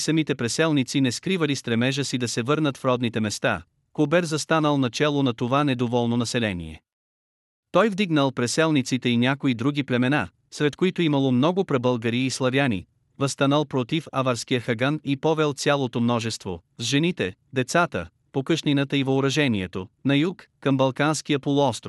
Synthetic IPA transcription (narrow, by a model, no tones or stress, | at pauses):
sɐmit̪ɛpɾɛsɛlˠnit̪sinɛskɾivəlist̪ɾɛmɛʒəsid̪ɐsɛvɤɾnət̪fɾɔd̪nit̪ɛmɛst̪a̰ | kobɛɾzɐst̪anəlˠnɐt͡ʃɛlˠonɐt̪ovanɛd̪ovɔlˠnonɐsɛlɛnḭɛ̰ | t̪ɔjvd̪iɡnəlˠpɾɛsɛlˠnit̪sit̪ɛinʲakoid̪ɾuɡʲiplɛmɛna | sɾɛt̪koit̪oimɐlˠomnɔɡʊpɾɛbəlˠɡəɾiːslˠɐvʲjanḭ | vɐst̪anəlˠpɾot̪ifavaɾskijəxɐɡanipɔvɛlˠt̪sʲjalˠot̪omnɔʒɛst̪vozʒɛnit̪ɛ | d̪ɛt̪sat̪ə̰ | pokɤʃninət̪əivɐʊɾɐʒɛniɛt̪onɐjukːɐmbɐlˠkanskijəpolˠʊɔst̪ɾof